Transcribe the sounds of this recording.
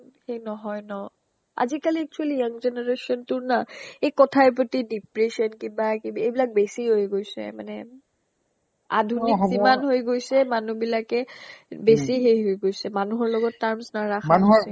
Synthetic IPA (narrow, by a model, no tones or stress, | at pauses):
xejnɔɦɔjnɔ | a̰zikaliɛk̚t͡ʃualijaŋzeneɹesɔntʊɹnaejkɔtʰaɛp̬otidipɹesɔnkibakiejbilak̚besiɦojɡojsɛ̰manɛ | a̰dʱunizimanɦojɡojsɛmanubilakɛbesiɦejɦojɡojsɛmanuɦɔɹlɔɡɔtːaɹmsnaɹaxmanuɛ